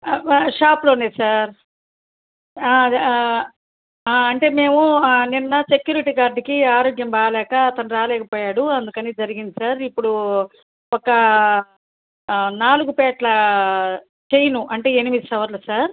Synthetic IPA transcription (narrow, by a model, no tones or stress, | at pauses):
ʃaːploneːsaːɾ | aː | aːɐɳʈe̞ːme̞ːmuninːɐse̞kjuːɾiʈiːkaːɾɖikiaːɾoːɡjɐmbaːlɛːkɐːt̪ɐnuɾaːlɛːkɐpɔːjaːɽuɐnd̪ukɐniːd͡ʒɐɾiɡind̪isaːɾipːuɽu | ɔkɐ | naːluɡupɛːʈlɐ | t͡ʃe̞jɐnuʔɐɳʈe̞ːenimid̪isɐʋɐɾlɐsaːɾ